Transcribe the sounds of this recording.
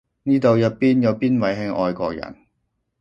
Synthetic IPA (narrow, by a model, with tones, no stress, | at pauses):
niː˥t̪o˨wjɐ˨˧pːiː˥njɐ˨˧wpiː˥nwɐ˨˩jɦɪ˧˥ŋʔɔː˧jkʷɔː˧k̚jɐ̰˨˩n